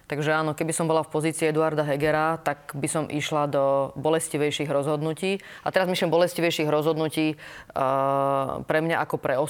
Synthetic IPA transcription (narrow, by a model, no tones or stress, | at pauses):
t̪aɡʒɛaːnɔkɛbisɔmbɔlafpɔziːt͡siːɛd̪uaɾd̪aɦɛɡɛɾat̪aɡbisɔmʔiʃlad̪ɔbɔlɛsciʋɛjʃiːɣɾɔzɦɔd̪nuciːat̪ɛɾazmiʃlimbɔlɛsciʋɛjʃiːɣɾɔzɦɔd̪nuciː | pɾɛmɲaʔakɔpɾɛɔ